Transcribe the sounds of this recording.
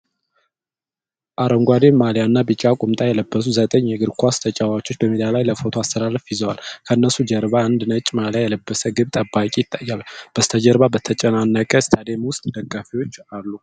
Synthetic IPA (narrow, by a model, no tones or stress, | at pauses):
ʔaɾəŋɡʷad̪enmaljanːabɨt͡ʃʼakʼʊmt̪ʼajɛləbːəs̬uzət̪ʼəɲːjɛɡɨɾkʰʷast̪ʰət͡ʃʼawat͡ʃːo̞t͡ʃːbəmid̪alajləfo̞t̪ʰoast̪ʰəlaləfjɪzəwalkʰəɨnːəsud͡ʒəɾβaand̪ɨnət͡ʃʼːmaljajɛləbːəsəɡɨβt̪ʼəbːakʼijɪt̪ʼːajːalb̥əst̪ʰəd͡ʒəɾβabət̪ʰət͡ʃʼɛnanːəkʼəst̪ʰəd̪emwʊst̪ʼd̪əkʼːafiwo̞t͡ʃːalːu